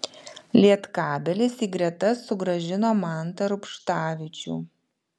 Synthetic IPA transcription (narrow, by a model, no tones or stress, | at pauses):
lʲiɛt̪kɑːbʲɛlʲɪsiːɡɾʲɛt̪ɐsːʊɡɾɐʒʲɪnoːmɑˑnt̪ɐɾʊpʃt̪ɑːʋʲɪt͡ʃʲṵː